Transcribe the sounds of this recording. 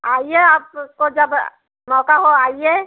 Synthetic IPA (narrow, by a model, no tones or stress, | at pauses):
aːijeaːp̚kod͡ʒəb | mɔːkaɦoaːie